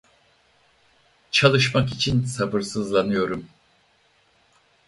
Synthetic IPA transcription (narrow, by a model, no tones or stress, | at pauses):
t͡ʃʰalˠɯʃmakit͡ʃʰinsabɯɾsɯzlˠanɯjo̞ɾum